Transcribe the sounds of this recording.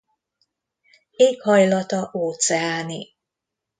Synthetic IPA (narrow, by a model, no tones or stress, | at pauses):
eːkhɒjlɒt̪ɒʔoːt̪sɛaːni